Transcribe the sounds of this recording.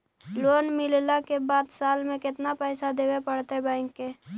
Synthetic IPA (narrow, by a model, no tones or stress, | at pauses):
loːnmɪllakebaːd̪saːlmẽkɪt̪napɛːsad̪eːwepəɽt̪ebãɪŋkːe